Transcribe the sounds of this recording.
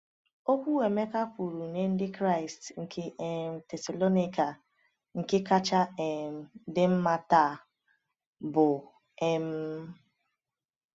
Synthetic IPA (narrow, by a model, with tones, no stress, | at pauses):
o˦kʷu˦e˨me˦ka˦pu˨ɾu˨ne˦n̩˦dɪ˦kɾa˦ɪ˨stŋ̩˨kʰe˦e˦m̩˨te˨sa˨lo˦ni˦ka˨ | ŋ̩˨kɪ˦ka˦t͡ʃa˦ɛ˨m̩˨dɪ˦m̩˦ma˦ta˦˨ | bʊ˨ | e˦m̩˦